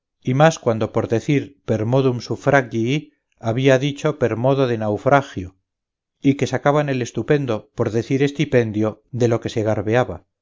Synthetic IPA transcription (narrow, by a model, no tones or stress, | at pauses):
imaskwand̪o̞po̞ɾðe̞θiɾpe̞ɾmo̞ðumsufɾaɣʝi | aβiaðit͡ʃo̞pe̞ɾmo̞ðo̞ðenawfɾaxjo | ike̞sakaβane̞le̞st̪upe̞nd̪opo̞ɾðe̞θiɾe̞st̪ipe̞nd̪jo̞ðe̞lo̞ke̞se̞ɣ̞aɾβeaβa